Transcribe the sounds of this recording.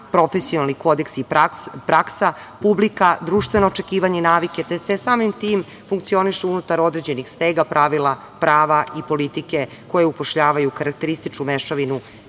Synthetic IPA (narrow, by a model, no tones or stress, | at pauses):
pɾo̞fesionalˠniko̞d̪eksipɾaksapublikad̪ɾuːʃt̪ʋe̞no̞ːt͡ʃekiːʋaɲeinaːʋike̞t̪esesaːmimt̪iːm | fuŋk̚t̪sio̞niʃeunut̪aɾo̞d̪ɾe̞d͡ʑe̞nixst̪eɡapɾʔaʋilˠa | pɾaːʋaipo̞lit̪ike̞ | ko̞jeupo̞ʃʎaːʋajukaɾak̚t̪e̞ɾist̪it͡ʃkumeʃoʋinu